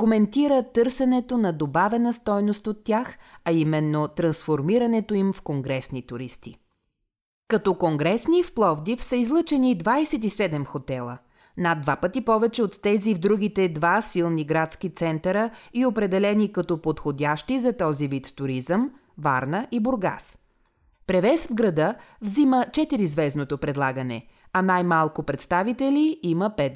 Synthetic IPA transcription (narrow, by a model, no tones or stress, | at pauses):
komɛnt̪iɾət̪ɤɾsɛnɛt̪onɐd̪obavɛnəst̪ɔjnost̪ot̪ːʲjaxɐimɛnːot̪ɾɐnsfoɾmiɾɐnɛt̪oimfkoŋɡɾɛsnit̪uɾist̪i | kɐt̪ɔkoŋɡɾɛsnifplˠɔvd̪ifsəizlˠɤt͡ʃɛnid̪vajsɛt̪isɛd̪ɛmxot̪ɛlˠə̰ | nad̪ːvapət̪ipɔvɛt͡ʃɛot̪ːɛzivd̪ɾuɡ̟it̪ɛd̪vasilˠniɡɾat̪skit̪sɛnt̪əɾəiopɾɛd̪ɛlɛnikɐt̪ɔpot̪xod̪ʲaʃt̪izɐt̪ɔzivit̪ːuɾizəm | va̰ɾnəʔibʊɾɡa̰s | pɾɛvɛsvɡɾɐd̪əvzimət͡ʃɛt̪iɾizvɛznot̪opɾɛd̪lˠaɡənɛ̰ɐnajmalˠkopɾɛt̪st̪avit̪ɛliiməpɛt̪